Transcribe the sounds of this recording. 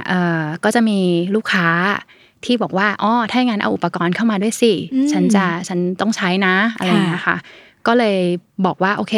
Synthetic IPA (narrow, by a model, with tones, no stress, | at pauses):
ʔɤː˨˩kɔː˥˩t͡ɕa˨˩miː˧luː˥˩kʰːaː˦˥ | t̪ʰiː˥˩bɔː˨˩k̚waː˥˩ʔɔː˧˩t̪ʰaː˥˩˥jŋaː˧˥nʔwʔu˨˩pːa˧kɔː˧nkʰa˥˩wmaː˧du˥˩əjsi˧˩t͡ɕʰa˦˥nt͡ɕa˨˩t͡ɕʰa˦˥nt̪ɔ˥˩ŋt͡ɕʰa˦˥jna˦˥ʔa˧ɾa˧˩jŋi˦˥ɐ˩kʰa̰˥˩ | kɔː˥˩lɤː˧jbɔː˨˩k̚waː˥˩ʔoː˧kʰeː˧